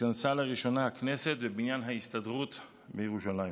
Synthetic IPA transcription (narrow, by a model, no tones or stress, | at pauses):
ansalaʁiʃo̞nahaknese̞t̪vebinjanɦaist̪adʁut̪ | bejeʁuʃalai